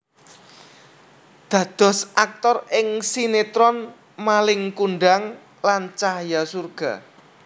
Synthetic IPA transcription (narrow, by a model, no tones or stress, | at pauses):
d̪̥ä̤d̪̥ɔ̤sʔak̚t̪ɔrɪŋsinet̪ɾɔn | malɪŋkuɳɖaŋ | lant͡ʃaɦjasurɡ̥a̤̰